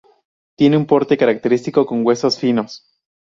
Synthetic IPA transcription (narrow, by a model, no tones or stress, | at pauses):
t̪je̞neumpo̞ɾt̪e̞kaɾak̚t̪e̞ɾist̪iko̞ko̞ŋɡwe̞so̞sfino̞s